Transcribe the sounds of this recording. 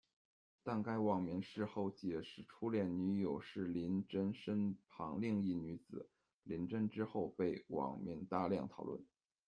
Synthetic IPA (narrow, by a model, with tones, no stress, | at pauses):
t̪a˥˩nka˥ɪwɑ˨˩ŋmi˧˥ŋʂɻ̩˥˧xo˥˩ʊt͡ɕjɛ˨˩ʂɻ̩˥˩ʈ͡ʂʰu˥ljɛ˥˩nny˧˥jo˨˩ʊʂɻ̩˥˩li˧˥nʈ͡ʂə˥nʂə˥npʰɑ˧˥ŋli˥˧ŋi˥˩ny˧˥t͡sɹ̩˨˩˦ | li˧˥nʈ͡ʂə˥nʈ͡ʂɻ̩˥xo˥˧ʊpe˥˩ɪwɑ̰˨˩ŋmi˧˥ŋt̪a˥˧ljɑ̰˥˩ŋt̪ʰɑ˨˩ʊlwə̰˥˩n